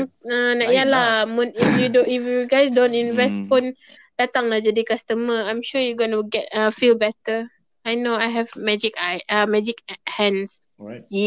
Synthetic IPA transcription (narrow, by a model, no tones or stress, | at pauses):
anaʔijalahmũnifjudifɡajsdõntinvɛst̚pʊn | d̥at̪aŋlahd͡ʒadikast̪əməãjmʃujuɡɔnəɡɛt̚afilbɛtə | ajnoajɦɛvmɛd͡ʒikajamɛd͡ʒikhɛ̃ns